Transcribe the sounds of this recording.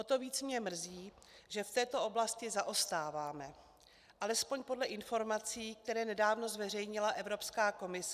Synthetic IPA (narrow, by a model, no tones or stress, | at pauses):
ot̪o̞viːt͡smɲɛmr̩ziː | ʒɛft̪ɛːt̪o̞o̞blascɪzaʔo̞st̪aːvaːmɛ | ʔalɛspo̞ɲpo̞dlɛʔɪnfo̞ɾmat͡siːk̚t̪ɛɾɛːnɛdaːvno̞zvɛrɛjɲɪlaʔɛvɾo̞pskaːko̞mɪs